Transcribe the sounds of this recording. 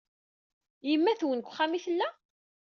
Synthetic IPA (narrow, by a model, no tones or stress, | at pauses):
jəmːæθwənkʷːχːæmiθəlːæ